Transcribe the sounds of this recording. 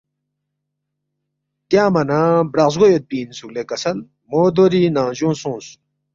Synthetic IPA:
t̪jamanabɾaz̬ɡojot̪̚piːnzuk̚lekɐsɐl | mod̪oɾinaʑũsũsu̥

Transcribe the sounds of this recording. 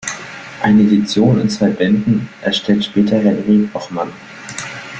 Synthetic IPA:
ʔaɪnəedit͡sjoːnɪ̰nt͡sv̥aɪbɛndn̩ʔɛɐʃtʰɛltʃpɛːtɐɦɛnʁikʔɔχman

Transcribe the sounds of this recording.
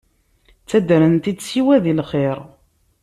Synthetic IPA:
t͡sːæd̪ɾənt̪id̪siwæðilχeɾ

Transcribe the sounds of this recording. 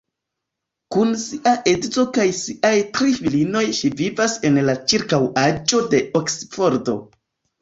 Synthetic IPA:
kunsiʔaʔedzo̞kajsiʔajtɾifilino̞jʃivivase̞nlat͡ʃiɾkawad͡ʒo̞de̞oksfo̞ɾdo̞̰

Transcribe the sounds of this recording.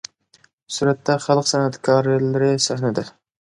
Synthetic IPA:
suɾɛt̪ʰːɛχɑlˠəqsɛnɛt̪kʲʰɑɾlɪɾɪsæhnɪd̪ɪ

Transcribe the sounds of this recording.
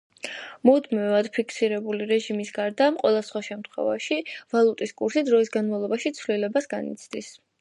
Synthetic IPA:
mud̪mivad̪̥pʰikʰsiɾɛbuliɾɛʒimisɡaɾd̪aːmqʼwɛlˠasχwaʃɛmt̪χwɛ̰vaʃivalˠut̪ʼiskʼuɾsid̪ɾɔisɡanmavlˠɔbaʃit̪sʰvlilɛbasɡanḭt̪sʰd̪̥is

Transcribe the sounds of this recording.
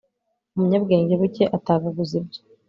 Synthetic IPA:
umuɲabɡeːɲɟeβuceʔataːβaɡuzib̚ɟo

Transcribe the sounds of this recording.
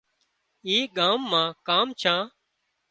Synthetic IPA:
ĩːɠãːmːãːkaːmt͡ʃʰãː

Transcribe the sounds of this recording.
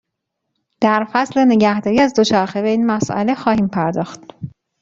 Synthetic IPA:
d̪̥æɾfæsle̞ne̞ɟæhd̪ɒːɾiːæzd̪o̞t͡ʃʰæɾxebe̞iːnmæsʔæ̰le̞xɒːhiːmpʰæɾd̪ɒːxt̪

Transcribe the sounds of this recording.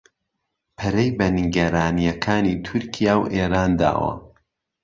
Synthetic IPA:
pʰɐɾejbɐniɡɐɾaːnijɐkʰaːniːt̪ʰʊɾkʰijaːwʔeːɾaːnd̪a̰ːwɐ̰

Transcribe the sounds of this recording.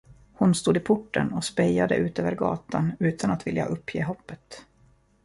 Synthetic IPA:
hʊnst̪uːd̪ɪpʰʊʈːə̰nɔspɛjad̪ə̰ʔʉ̟ːt̪øːvəɾɡɑ̰ːt̪ʰanʉ̟ːt̪ʰanat̪vɪlja̰ʔɵpːjeːɦɔpːət̪

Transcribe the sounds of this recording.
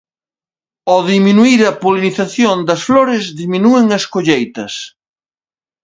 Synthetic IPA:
oðiminuiɾɐpoliniθaθjond̪ɐsfloɾɪzðiminueŋɐskoʎejt̪ɐs

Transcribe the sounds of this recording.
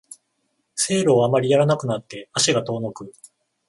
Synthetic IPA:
se̞ːɾoːamaɾʲijaɾanakɯ̟nat̪ːe̞aɕiɡat̪o̞ːno̞kɯ̟

